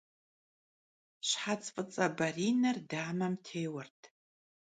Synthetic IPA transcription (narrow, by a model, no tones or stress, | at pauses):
ɕħat͡sʼfʼɨt͡sʼɐbɐriːnɐrdaːmɐmtʰeːwɐrtʰ